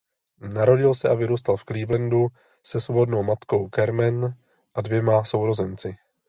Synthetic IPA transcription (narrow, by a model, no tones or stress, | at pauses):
naɾo̞ɟɪlsɛʔavɪɾuːst̪alfkliːvlɛndu | sɛslobo̞dno̞wmat̪ko̞wkɛɾmɛn | ʔadvjɛmaso̞wɾo̞zɛnt͡sɪ